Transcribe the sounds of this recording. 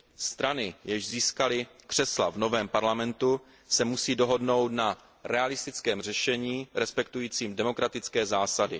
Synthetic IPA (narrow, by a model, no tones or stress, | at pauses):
st̪ɾanɪjɛʒziːskalɪkr̝̥ɛsla̰vno̞vɛːmpaɾlamɛnt̪u | sɛmusiːdo̞ɦo̞dno̞wt̪na | ɾɛalɪst̪ɪt͡skɛːmr̝ɛʃɛɲiːɾɛspɛkt̪ujiːt͡siːmdɛmo̞kɾat̪ɪt͡skɛːzaːsadɪ̰